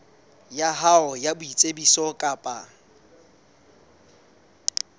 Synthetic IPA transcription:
jaɦaɔjabʊit͡sʼebisɔkʼapʼa

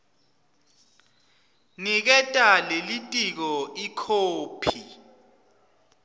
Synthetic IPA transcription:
nik̬ɛtʼalelitʼik̬ɔikʰoːpʰi

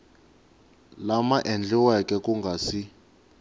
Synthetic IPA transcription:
lamaʔɛnd͡ɮɛwakɛkuŋɡʱaːsi

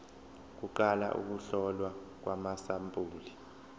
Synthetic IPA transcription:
k̬uǃala̰ʔṵk̬uɬɔlwa | k̬wamasampʼuːli

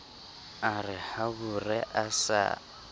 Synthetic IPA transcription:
arɪhaβurɛʔasa̰

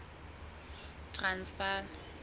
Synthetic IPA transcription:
tʰʼransfa

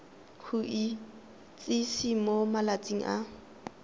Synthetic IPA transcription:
kʰuʔɪ | t͡sʼɪsimomalat͡sʼiŋ̩̰ʔa̰

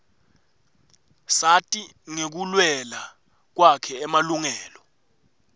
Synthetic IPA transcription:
satʼi | ŋek̬ulwɛla | k̬wakʰɛːmaluŋɛːlɔ

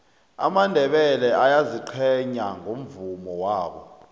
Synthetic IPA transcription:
a̰mandʱɛɓɛlɛʔajaziǃʰɛɲaŋʱom̩vumɔwaːɓɔ̰

